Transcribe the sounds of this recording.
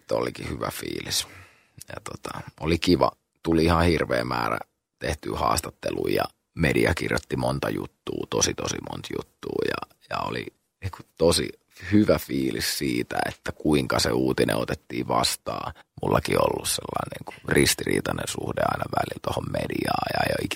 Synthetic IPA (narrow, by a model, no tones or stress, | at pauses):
t̪ːolikihyʋæfiːlis | jɑt̪ot̪ɑolikiʋɑ | t̪uliihɑ̃hirʋeːmmæːræ | t̪eht̪yːhɑːst̪ɑt̪ːeluijjɑ | mediɑkirjot̪ːimont̪ɑjut̪ːuːt̪osit̪osimont̪jut̪ːuːjɑ | jɑoli | niːŋku̥t̪osi | hyʋæfiːlissiːt̪æet̪ːækuiŋkɑseuːt̪inʔḛ̃ot̪et̪ːiːʋɑst̪ɑːmulːɑkiolːusselːɑinniːŋkurist̪irḭːt̪ɑnensuhdeɑinɑʋælilt̪ohommediɑːjɑjoik